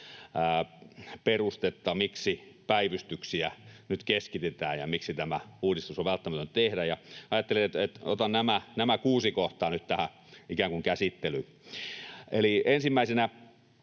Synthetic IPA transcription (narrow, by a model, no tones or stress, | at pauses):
perust̪et̪ːɑmiksipæiʋyst̪yksiænyt̪keskit̪et̪æːjjɑmiksit̪æmæuːdist̪usoʋʋælt̪ːæmæt̪ønt̪ehdæjɑɑjɑt̪ːeliet̪et̪et̪o̰t̪ɑnnæmænæmækuːsikoht̪ɑːnyt̪t̪æhæ | ikæˑŋkuŋkæsit̪ːely | eliensimːæisenæ